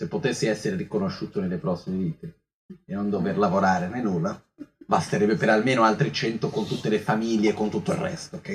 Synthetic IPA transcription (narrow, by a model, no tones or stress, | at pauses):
sepːot̪esːiɛsːeɾeɾikonoʃːuːt̪onelːepɾɔsːimeviːt̪e | enːond̪overlavoɾaːɾenenːulːa | bast̪eɾɛbːepeɾalmeːnoalt̪ɾit͡ʃɛnt̪okont̪ut̪ːelefamiljeːkːont̪ut̪ːoirrɛ̰st̪ookːɛ